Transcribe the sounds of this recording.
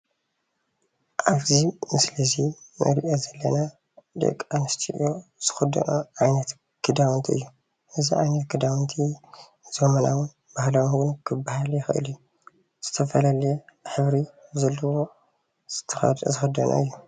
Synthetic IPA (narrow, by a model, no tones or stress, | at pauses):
ʔaβzimɨslizinʔɐ̰ɾiʔozɐlːɐna | d̪ɨ̰kʼanɨst̪ʰiʔjoz̥ɨ̥xɐd̪ɐ̰nʔoʕajnɐt̪ | kʰɨd̪awnt̪ʰiɨ̰jːu | ʔɨziʕajnɐt̪kʰɨd̪awnt̪ʰi | zomɐnawʊn | bahlawwunkʰɨbːahaljɪxʔɨ̰liju | z̥ɨt̪ʰɐfɐlalɐjeħɨβɾizɐlːɐwo̞ | z̥ɨ̥t̪ʰɐzɨxɐd̪ɐnʔa̰ɨ̰jːu